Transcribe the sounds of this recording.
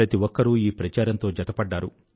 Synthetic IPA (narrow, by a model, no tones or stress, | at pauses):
ɾɐt̪iʋɔkːɐɾuiːpɾɐt͡ʃaːɾɐnt̪o̞ːd͡ʒɐt̪ɐpɐɖːaːɾu